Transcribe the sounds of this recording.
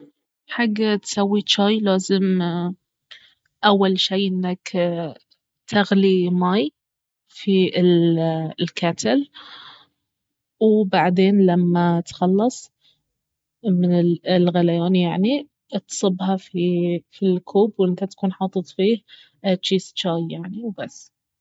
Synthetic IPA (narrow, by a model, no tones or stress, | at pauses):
ħaɡːat̪sawːit͡ʃaːjlaːzɪm | ʔawːalʃiːʔɪnːak | t̪ʰaɣlimaːj | fiɪllkat̪ʰɪl | wbaʕd̪eːnlamːat̪xɑlːɑsˤ | mɪnɪlɣalajaːnjaʕni | t̪sˤɨbːhɑfifilkʰuːbwʔɪnt̪at̪ḁkuːnħɑːt̪ˤɨt̪ˤfiːh | t͡ʃːiːst͡ʃaːjjaʕniwbasː